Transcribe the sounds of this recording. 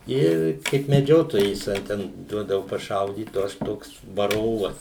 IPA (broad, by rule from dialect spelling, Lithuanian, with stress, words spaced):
ˈɪr kɐɪp mʲɛˈd͡ʒʲoːtoːjɛɪs ɐ ˈtʲɛn ˈduɔdɐʋʊ pɐˈʃɐʊdʲiːt oː ˈɐʃ ˈtoːks ʋɐˈroːʋɐs